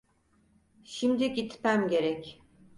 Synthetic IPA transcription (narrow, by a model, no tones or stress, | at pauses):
ʃimd̪iɟit̪mæmɟe̞ɾɛc